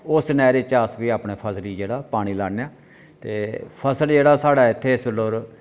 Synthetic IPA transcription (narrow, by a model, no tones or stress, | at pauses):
ʊsnɛːɾɪt͡ʃːaːsʋiːaːpɳeːpʰəsɾiːd͡ʒeːɽaːpaːɽ̃iːlaːnjaː | t̪eːpʰəsəld͡ʒeːɽaːsaːɽaːɪt̪ʰːeːɪsəloːɾ